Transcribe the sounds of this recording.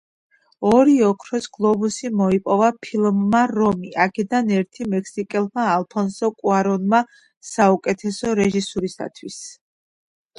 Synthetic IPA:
ɔɾiɔkʰɾɔsɡ̥lˠɔbusimɔipʼɔvapʰilˠmːaɾɔmiʔakʰɛd̪anɛɾt̪ʰimɛkʰsikʼɛlˠmaːlˠpʰɔnsɔkʼuaɾɔnma | saukʼɛt̪ʰɛsɔɾɛʒisuɾisa̰t̪ʰwis

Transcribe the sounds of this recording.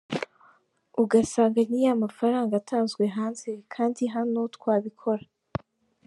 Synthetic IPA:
uɡasaːŋɡanijamafaɾaːŋɡatʰaːnzɡwe̞ɦaːnze̞kʰaːndiɦano̞tkwaːβikʰo̞ɾa

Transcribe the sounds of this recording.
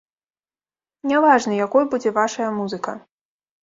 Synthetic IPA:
nʲavaʐnɨjakɔjbud͡zʲɛvaʂɐjɐmuzɨkɐ̰

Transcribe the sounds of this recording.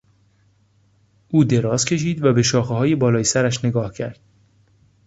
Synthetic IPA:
ʔuːd̪e̞ɾɒːzcʰe̞ʃiːd̪væbe̞ʃɒːxeɦɒːje̞bɒːlɒːjesæɾæʃne̞ɡɒːhcʰæɾd̪̥

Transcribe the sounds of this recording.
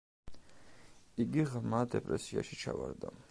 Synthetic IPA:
iɡiʁmad̪ɛpʼɾɛsiaʃit͡ʃʰavaɾd̪a

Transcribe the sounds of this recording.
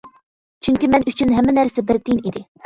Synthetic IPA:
t͡ʃʰyŋkʲimɛnyt͡ʃʰynɦɛmːɪnæɾsɛbɪɾt̪ʰinid̪ɪ

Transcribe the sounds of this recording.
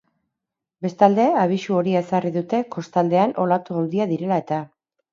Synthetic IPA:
be̞st̪ald̪e̞aβ̞iʃuo̞ɾiesariðut̪e̞ko̞st̪ald̪e̞anʔo̞lat̪uawðiaðiɾe̞lae̞t̪a

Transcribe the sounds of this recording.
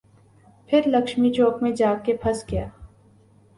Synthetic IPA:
pʰɪɾlɐkʃmit͡ʃoːkmẽd͡ʒaːkepʰɐsɡɪjaː

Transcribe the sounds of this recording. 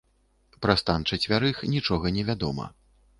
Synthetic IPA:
pɾɐst̪ant͡ʂɐt͡sʲvʲaɾɨxnʲit͡ʂɔɣɐnʲɛvʲad̪ɔmɐ̰

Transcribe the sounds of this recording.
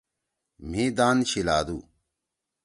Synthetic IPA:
m̤ĩd̪aːnɕilaːd̪ṵː

